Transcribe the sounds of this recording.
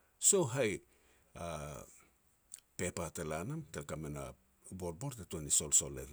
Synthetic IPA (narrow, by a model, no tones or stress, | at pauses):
so̞wɦaj | a | pe̞patelanamtelkamena̰ | boɾ̚bo̞ɾtetuaniso̞lso̞lḛl